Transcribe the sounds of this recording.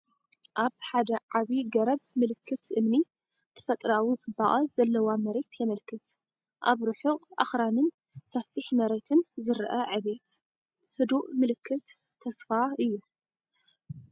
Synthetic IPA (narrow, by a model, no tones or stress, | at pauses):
ʔaβħad̪ɐʕaβiɡɐɾɐbmɨlɨkʰːɨt̪ʰʔɨmni | t̪ʰːɐ̥fɐt̪ʼɾawit͡sʼɨbːaʔʼɐz̥ɐlːɐwamɐɾe̞t̪ʰjɛmɐlkʰɨt̪ | ʔaβɾɨħuqʼʔa̰xɾanɨn | sɐfɨħmɐɾe̞t̪ʰɨnzɨɾʔɐʕɨβe̞t̪ | hɨd̪uʔmɨlɨkʰːɨt̪ʰː | ɐsfaɨjːu